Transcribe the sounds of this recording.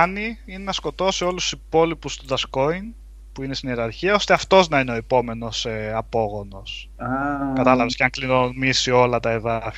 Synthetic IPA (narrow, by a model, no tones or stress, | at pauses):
niine̞nɐsko̞t̪o̞sio̞lususipo̞lipust̪oðɐsko̞in | puine̞st̪ineɾɐɾçiɐo̞st̪e̞ɐft̪o̞znɐine̞o̞epo̞me̞no̞seɐpo̞ɣo̞no̞s | kɐt̪ɐlɐvesceɐŋklinomisio̞lɐt̪ɐe̞ðɐf